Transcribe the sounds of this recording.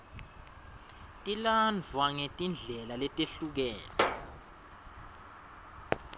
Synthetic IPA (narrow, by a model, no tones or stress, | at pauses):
tʼiland͡vʱwaŋetʼind͡ɮʱɛlalɛtʼeɬuk̬ɛːlɔ